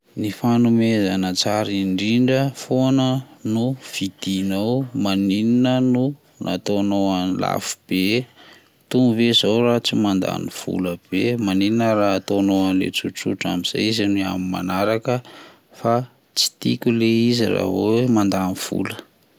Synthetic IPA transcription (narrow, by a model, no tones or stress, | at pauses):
nifanumezanət͡saɾiɳɖ͡ʐiɳɖ͡ʐəfonənuv̥id̪̥inawmanininənu | nʔa̰t̪onoanla̰fu̥b̥e | t̪umvezawrat͡simand̪a̰niv̥ṵləb̥emanininəraat̪onoanlḛt͡sut͡sṵʈ͡ʂa̰miz̥a̰jizania̰mima̰naɾakə | fa | t͡si̥t̪ḭkʲuleizḭra̰vowemand̪aniv̥ṵlə̥